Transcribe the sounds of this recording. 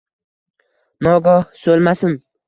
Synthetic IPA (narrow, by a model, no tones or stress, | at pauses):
mɒɡɒhsolˠmasɪn